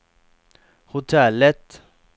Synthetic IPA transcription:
hʊt̪ʰɛlːət̪

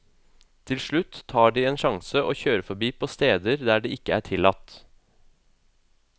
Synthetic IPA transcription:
t̪ʰɪlʂɭʉt̪ʰːɑːɖiːeːnʃɑŋsəʔoːçøːɾəfɔɾbiːpʰoːst̪eːd̪əɾd̪æːɖiːɪkəæ̰ːʈʰɪlɑt̪

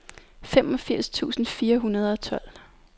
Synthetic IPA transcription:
fem̰ɒ̽fiɐ̰st͡sʰṵːsn̩fiːɐɦunɐð̞ˠɒ̽t͡sʰɒ̽l̰

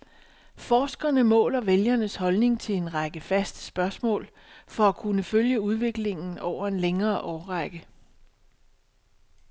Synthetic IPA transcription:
fɒːsɡ̥ɐnəmɔ̰̽ːlɐʋeljɐnəshɒ̽lne̝ŋt͡sʰe̝e̝nʁɑɡ̥əfæsd̥ə̥sb̥ɶɐsmɔ̰̽ːl | fɒ̽ækʰunəføljəuð̞ˠʋe̝ɡ̥le̝ŋn̩ɒʊ̰ɐe̝nleŋɐːʔɒːʁɑɡ̥ə

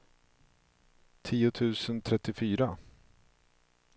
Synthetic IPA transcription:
t̪ʰiːʊt̪ʰʉ̟ːsənt̪ʰɾɛt̪ːɪfyːɾa

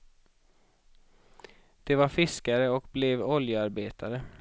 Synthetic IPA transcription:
d̪̥ɛvaɾfɪskaɾəɔkblɛvɔljəaɾbeːt̪ʰaɾə

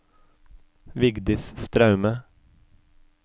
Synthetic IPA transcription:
ʋɪɡd̪ɪsst̪ɾɑʉmə

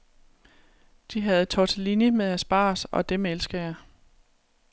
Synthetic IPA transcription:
d̥iɦæð̞̩ˠt͡sʰɒt͡sʰelinjəmeðˠæsb̥ɑ̰̈ːsɒ̽d̥emelsɡ̥ɐjɑ̈

